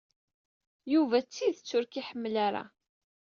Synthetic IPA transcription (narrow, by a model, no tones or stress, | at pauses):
juvæt͡sːiðət͡sːʊɾkiħəmːlaɾa̰